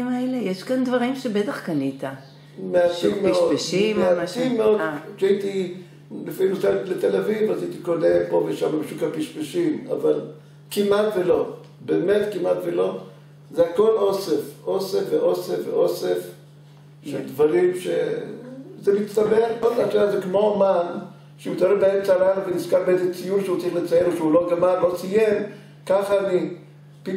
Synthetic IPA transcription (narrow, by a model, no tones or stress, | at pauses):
maelejeʃkand̪vaʁimʃebet̪aχkanit̪a | meatimːeʃodpeʃimmeaimːeodʃait̪i | lefinusalet̪elavivazait̪ikonepovejeʃamabeʃukapiʃpeʃima̰val | kimat̪velo̞ | beːmet̪kimat̪velo̞ | zehako̞losefʔosefveʔo̞sefvḛʔosef | ʃeld̪vaʁimʃe | zemitst̪abeχotaʃazekmo̞man | ʃemitaɾeʁbaemt͡salanuveniskaʁbeezet͡sijuɾʃeut͡saʁiχlet͡sajenoʃeulo̞ɡamallo̞t͡sijem | kaχaːni | pi